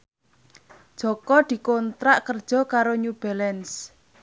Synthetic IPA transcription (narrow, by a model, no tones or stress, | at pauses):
d̥ʒ̥ɔ̤kɔd̪̥i̤kont̪ɾaʔkərd̥ʒ̥ɔ̤kaɾoɲub̥ɛlɛns